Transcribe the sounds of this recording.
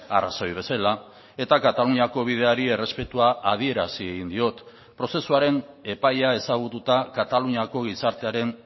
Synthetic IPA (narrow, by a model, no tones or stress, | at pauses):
a̰ra̰so̞jβe̞sala | e̞t̪akat̪aluɲiako̞β̞ið̞e̞aɾie̞re̞spe̞t̪uaːð̞ie̞ɾasieɣind̪io̞t̪ | pɾo̞se̞suaɾe̞n | e̞pajae̞saɣut̪ut̪akat̪aluɲiako̞ɣ̞isaɾt̪e̞aɾe̞n